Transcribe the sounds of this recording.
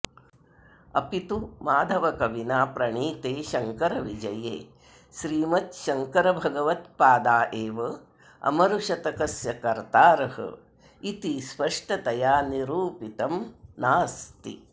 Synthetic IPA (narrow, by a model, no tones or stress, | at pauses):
ɐ̰pit̪umaːd̪ʱɐʋɐkɐʋinaːpɾɐɳiːt̪eːʃɐŋkɐɾɐʋid͡ʒɐjḛː | ʃɾiːmɐt̪ʃɐŋkɐɾɐbʱɐɡɐʋɐt̪paːd̪aːʔeːʋɐ | ɐ̰mɐɾuʃɐt̪ɐkɐsjɐkɐɾt̪aːɾɐɦɐ̰ | it̪ispɐʂʈɐt̪ɐjaːniɾuːpit̪ɐmnaːst̪ḭ